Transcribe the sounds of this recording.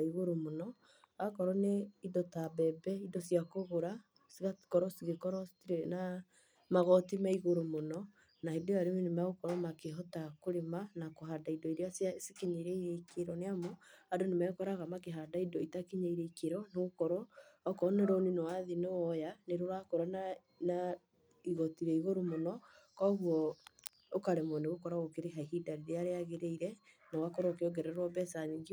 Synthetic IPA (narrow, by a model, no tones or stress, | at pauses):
iɣoɾomonɔ | akɔɾɔneidɔtabɛbɛidɔsijakoɣoɾa | siɣḁkɔɾɔsiɣekɔɾɔena | maɣɔtimaiɣoɾomonɔ | naedeaɾewenemaɣokɔɾɔmakeɦɔtakoɾemanakoɦaːdaidɔiɾeasjasikiɲeɾeiɾekeɾɔneamoadonemɛkɔɾaɣamakeɦadaidɔitakiɲaiɾeikeɾɔneɣokɔɾɔɔkɔneɾɔninɔwaðinewɔjaneɾoɾakɔɾɔna | na | iɣɔtiɾɛiɣoɾomonɔ | kɔɣwɔ | okaɾɛmɔneɣokɔɾaɣokeɾeɦaihidaɾiɾeaɾeaɣeɾeiɾɛnawakɔɾɔkeɔɡɛɾɛɾwɔbɛsaniɡi